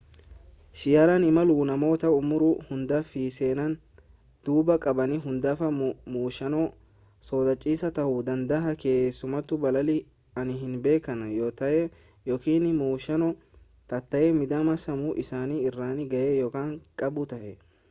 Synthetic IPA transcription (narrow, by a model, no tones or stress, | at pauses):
ʃɪjaːɾɐnɪmɐluːnɐmo̞ːt̪ɐʊmʊɾʊhʊnd̪afiːseːnɐn | d̪̥uːbɐkʼɐbɐnɪɦʊnd̪aːfɐmuːʃɐnɔ | soːd̪ɐt͡ʃʼːiːsɐt̪ɐhʊd̪ɐnd̪ɐɦɐke̞ːsʊmɐt̪ːʊbɐlɐlɪ | ɐnɪɦɪnbe̞ːkːɐnɐjoːt̪ɐjɛ | jokiːnɪmuːʃɐnɔ | t̪ɐt̪ːɐjɛmɪd̪ɐmɐsɐmʊʔɪsaːniɪrːaːnɪɡɐjɛjokaːnkʼɐbʊt̪ɐhɛ